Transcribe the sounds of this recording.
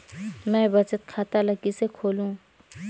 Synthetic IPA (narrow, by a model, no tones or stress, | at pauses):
mɛ̃bɐt͡ʃət̪̚kʰaːt̪alakisekʰoːlũː